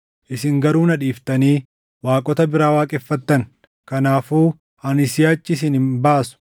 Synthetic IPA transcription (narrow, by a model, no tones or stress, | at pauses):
ʔɪsɪŋɡɐɾuːnɐᶑiːft̪ɐniː | waːkʼɔt̪ɐbɪɾaːwaːkʼɛfːɐt̪ːɐŋ | kɐnaːfuː | hɐnɪsɪjaːt͡ʃːɪs̬ɪnhɪmbaːsʊ̥